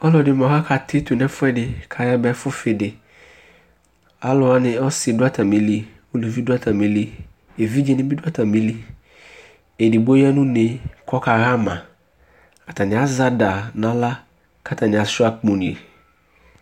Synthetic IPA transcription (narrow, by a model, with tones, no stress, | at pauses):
ɔ˦lɔ˨dɪ˨mɔ̃˨ɦa˦kʰa˨tʰɪ˦t̪u˨nɛ̃˦fʊ˦ɛ˦dɪ˨kʰa˨ja˦bɛ˨˦fʊ˦fɪ˨dɪ˨ | a˦lʊ˨a˦nɪ̃˨ɔ˦sɪ˨dʊ˦a˦tʰa˨mĩ˨li˦ | wo˦lo˨vi˦dʊ˦a˦tʰa˨mĩ˨li˦ | e˨vi˦d͡ʒɛ˦˨nɪ̃˦bɪ˦dʊ˦a˦tʰa˨mĩ˦li˦ | e˨di˨bo˦a˦nũ˦ne˨kʰɔ˦ka˨ɣa˦mã˨ | a˨ta˨nɪ̃˨a˦za˦da˨nã˨˦la˦ | kʰa˦ta˨nɪ̃˨a˨sʊ˦a˨k͡põ˨nĩ˨e˨